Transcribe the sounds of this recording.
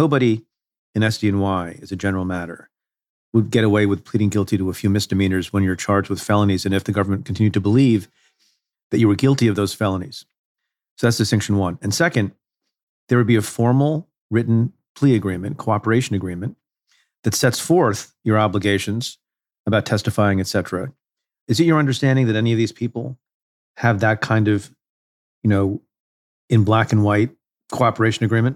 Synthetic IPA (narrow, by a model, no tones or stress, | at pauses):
noʊbəɾi | ɨ̃ñɛstiɨ̃nwaɪɨzɨd͡ʒɛnə˞l̩ˠmæɾə̰˞ | wəd̚ɡɛɾəweɪwɨð̥pʰl̥iɾɪ̃ŋɡɪlˠtiɾəəfjʉmɪsd̥ɨmĩnə˞zwə̃njə˞t͡ʃʰɑɹdzwəð̥fɛlˠənizɨ̃nɨfðɨɡʌvə˞mɨ̃nkʰn̩tʰɪ̃njʉd̚tʰɨbəliv | ðɨt͡ʃɨwə˞ɡɪlˠtiʌvðoʊz̥fɛlˠə̃niz̥ | soʊðætsðɨsɛ̃ŋkʃn̩wʌ̃nɨ̃nsɛkɨ̃n | ðə˞wɨd̚biɨfɔɹml̩ˠ | ɹɪʔn̩ | pʰl̥iɨɡɹĩmɨ̃nkʰoʊɑpə˞eɪʃɨ̃nɨɡɹĩmɨ̃n | ðɨtsɛtsfɔɹθjə˞ɑbləɡeɪʃɨ̃nz̥ | əbaʊtʰɛstɨfaɪɪ̃ŋɨtsɛɾɹ̥ɨ | ɨzɨt͡ʃə˞ʌ̃ndə˞stæ̃ndɪ̃ŋðɨɾɛniʌvðiz̥pʰipl̩ˠ | ɨvðɨt̚kʰãɪ̃ndʌv | jɨnoʊ | ɨ̃nblækɨ̃nwaɪt̚ | kʰoʊɑpə˞eɪʃɨ̃nɨɡɹĩmɨ̃n